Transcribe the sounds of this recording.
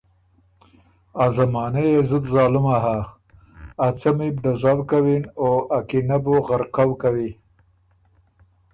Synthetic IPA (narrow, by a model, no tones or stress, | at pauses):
azamɑːnejezud̪zɑːlumaɦa | at͡samibɖ̪azawkawinoʔakinabuɣaɾqawkawi